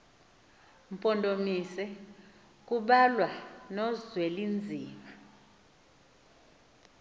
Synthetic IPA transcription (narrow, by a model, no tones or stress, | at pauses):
m̩pʼɔndʱʼomisɛ | k̬ʼuɓalwanɔzwelind͡zʱiːma